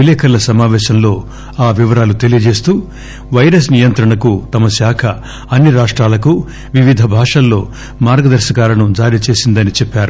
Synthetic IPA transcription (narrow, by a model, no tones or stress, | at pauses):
ilɛːkʰɐlːɐsɐmaːʋɛːʃɐmlo̞ː | aːʋiʋɐɾaːlut̪e̞lijɐd͡ʒe̞ːst̪uː | ʋɐjɾɐs̬nijɐnt̪ɾɐɳɐkut̪ɐmɐsjaːkʰɐ | ɐnːiɾaːʂʈɾaːlɐku | ʋiʋid̪ʱɐbʱaːʂɐlːo̞ː | maːɾɡɐd̪ɐɾʃɐkaːlɐnud͡ʒaːɾit͡ʃe̞ːsind̪ɐnit͡ʃɛpːaːɾu